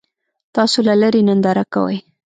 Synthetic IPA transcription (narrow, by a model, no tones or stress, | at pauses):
t̪ɑsolalaɾinənd̪aɾaka̰wə̰j